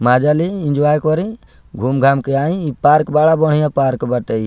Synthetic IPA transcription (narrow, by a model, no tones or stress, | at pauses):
mad͡ʒaliĩnd͡ʒuajkɔɾi | ɡʱumɡʱamkeaĩipaɾkbaɽabɔɽ̤ijãpaɾkbaʈə